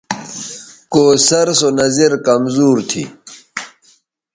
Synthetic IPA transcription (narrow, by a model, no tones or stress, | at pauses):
koːsɐɾsonɐziɾkɐmzuːɾt̪ʰḭ